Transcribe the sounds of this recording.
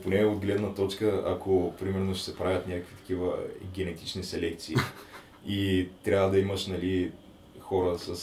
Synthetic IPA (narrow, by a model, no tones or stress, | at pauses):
ponɛod̪ɡlɛd̪nɐt̪ɔt͡ʃkəɐ̰kʰopɾimɛɾnoʃɛ̥sɛpɾavʲɐt̪nʲakəkvit̪ɐ̥k̟ivə̰ɡʲɛnɛt̪i̥t͡ʃnisɛlɛk̚t̪siː | it̪ɾʲjavəd̪ɐiməʃnɐli | xɔɾəsəs